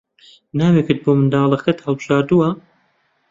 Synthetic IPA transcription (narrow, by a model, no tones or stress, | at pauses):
naːweːkɨt̪̚boːmɨnd̪aːlˠɐxɐt̪hɐlˠbɨʒaːɾd̪uwɐ